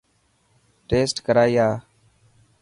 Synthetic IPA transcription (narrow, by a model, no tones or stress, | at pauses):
ʈeːsʈkəɾaːiːjaː